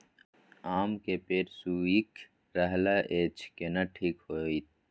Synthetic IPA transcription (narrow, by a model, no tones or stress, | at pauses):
aːmkepeːɾsuːik | ɾəɦlaʔeːt͡ʃkenɐʈʰiːkhoːit̪̚